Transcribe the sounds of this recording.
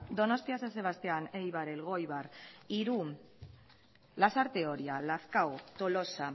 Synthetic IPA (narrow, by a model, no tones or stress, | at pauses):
d̪o̞no̞st̪iasanse̞β̞ast̪eanejβaɾelɣ̞o̞jβariɾu | lasaɾt̪eo̞ɾialaθkawt̪o̞lo̞sa